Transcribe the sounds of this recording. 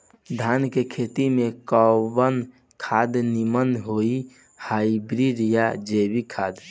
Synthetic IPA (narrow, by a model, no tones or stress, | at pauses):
d̪ʱankekʰet̪imekɔbən | kʰad̪nimənɦoi | haibɾiɾijad͡ʒebikʰad̪